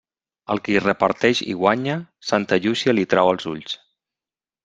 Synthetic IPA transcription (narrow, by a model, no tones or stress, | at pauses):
əlˠkirəpaɾt̪ɛʃḭɣwaɲəsant̪əʎusialit̪ɾawəlˠzuʎs